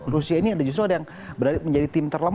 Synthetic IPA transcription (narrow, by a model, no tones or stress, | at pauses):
rusiainiadad͡ʒust̪̬ɾoadajaŋ | bəɾaɾɪt̪̚məɲd͡ʒadit̪ɪmt̪ərləm